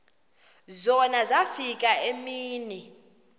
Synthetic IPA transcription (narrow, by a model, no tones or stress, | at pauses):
zɔnazafikʼaemiːnɛ